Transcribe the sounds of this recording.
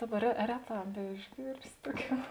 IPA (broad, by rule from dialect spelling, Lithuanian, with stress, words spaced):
ˈdɑːˌbɐ rʲɛ ˈrʲæːˌtɑː bʲɛɪʒʲˈɡʲiːrʲsʲɪ ˈtuɔˌkʲuː